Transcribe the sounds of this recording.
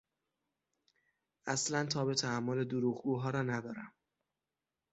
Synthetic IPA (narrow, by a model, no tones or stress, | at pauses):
ʔæslænt̪ʰɒːbet̪ʰæːmːoled̪uɾuːɣɡuːɦɒːɾɒːnæd̪ɒːɾæm